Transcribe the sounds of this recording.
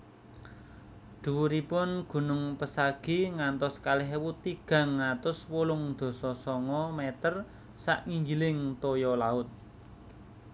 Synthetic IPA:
d̪̥uuɾipʊnɡ̥ṳnʊŋpəsaɡ̥i̤ŋant̪ɔskalɪɦwut̪iɡ̥ä̤ŋːat̪ʊswolʊŋd̪̥o̤sɔsɔŋɔmɛt̪ər | saʔŋiŋɡilɪŋt̪ojɔlaʊt̪̚

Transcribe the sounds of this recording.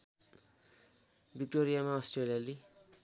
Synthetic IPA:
bik̚ʈoɾijamaʌsʈrelijale

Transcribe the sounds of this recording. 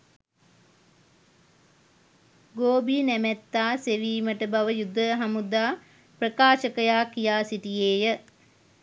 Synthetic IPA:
ɡoːbinæmæt̪ːaːseʋiːməʈəbaʋəjud̪ʱːəɦamud̪aː | prəkaːʃəkəjaːkijaːsiʈijeːjə

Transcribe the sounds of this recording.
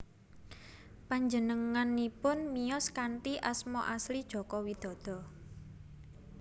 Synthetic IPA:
paɲd͡ʒənəŋanːipʊnmijɔskaɳʈiʔasmɔʔaslid̥ʒ̥ɔ̤kɔwid̪̥ɔ̤d̪̥ɔ̤

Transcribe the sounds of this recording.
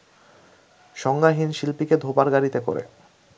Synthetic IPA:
ʃɔŋɡaɦinʃilpiked̪ʱobaɾɡaɾit̪eko̰ɾḛ

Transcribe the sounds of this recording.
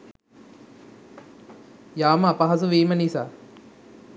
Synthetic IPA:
jaːməapɐɦɐsuʋiːmənisaː

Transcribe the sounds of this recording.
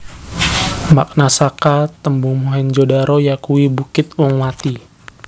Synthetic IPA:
mak̚nasakat̪əmbuŋmuɦɛnd͡ʒodaɾojakuibukɪt̪̚wɔŋwat̪i

